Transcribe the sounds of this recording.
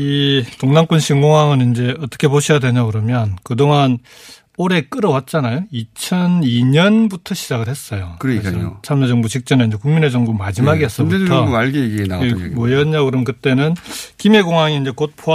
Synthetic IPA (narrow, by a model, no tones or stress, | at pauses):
itoŋnaŋk͈unɕʰiŋɡoŋɦaŋɯnind͡ʑe̞ʌt͈ʌ̥kʰepoɕʰijadwe̞ɲakɯɾʌmjʌnkɯdoŋan | oɾe̞k͈ɯɾʌwat̚t͡ɕ͈anajoit͡ɕʰʌniɲʌnbutʰʌɕʰid͡ʑaɡɯɭhe̞s͈ʌjokɯɾko̰t͡ɕʰamʌd͡ʑʌŋbut͡ɕik̚t͡ɕ͈ʌneind͡ʑe̞kuŋmined͡ʑʌŋbumad͡ʑimaɡiɦes͈ʌbutʰʌaɭɡeeɡienamwʌjʌɲakɯɾʌmʌnkɯt͈e̞nɯnkime̞ɡoŋaŋiːnd͡ʑe̞kot̚pʰo